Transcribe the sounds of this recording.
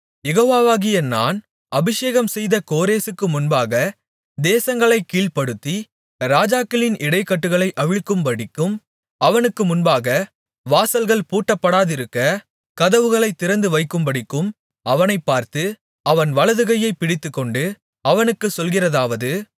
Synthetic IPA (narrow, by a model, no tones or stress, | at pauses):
jɛɣoːʋaːʋaːɣɪjɐna̰ːn | ɐbɪʂeːɣɐmsɛjðɐkoːɾeːsɯkːɯmʊnbaːɣɐ | d̪eːsɐŋɡɐɭɐɪkːiːɭpɐɽɯt̪ːi | ɾaːd͡ʒaːkɪlɪnʔɪɽɐɪkːɐʈːɯɣɐɭɐɪʔɐʋɪɭkːɯmpɐɽɪkːɯm | ɐʋɐnɯkːɯmʊnbaːɣɐ | ʋaːsɐlɣɐɭpuːʈːɐpːɐɽaːðɪɾɯkːɐ | kɐðɐʋɯɣɐɭɐɪt̪ːɪɾɐnd̪ɯʋɐɪkːɯmbɐɽɪkːɯm | ɐʋɐnɐɪpːaːɾt̪ɯ | ɐʋɐnʋɐɭɐðɯɣɐjɐɪpɪɽɪt̪ːɯkːɔɳɖɯ | ɐʋɐnɯkːɯsɔlɣɪrɐðaːʋɐðɯ